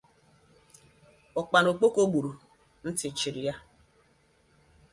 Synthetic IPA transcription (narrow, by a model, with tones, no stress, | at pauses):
ɔ˨k͡pa˨no˨k͡po˦ko˦ɡ͡bu˨ɾu˨ | n̩˦tɪ˨t͡ʃɪ˨ɾɪ˨ja˦